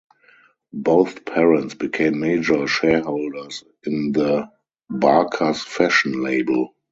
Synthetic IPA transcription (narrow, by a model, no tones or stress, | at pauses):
boʊθpʰɛɹə̃ntsb̥ikʰẽɪ̃mːeɪd͡ʒə˞ʃɛɦoʊldə˞s | ɪ̃nðə | bakʰasfæʃnleɪbəl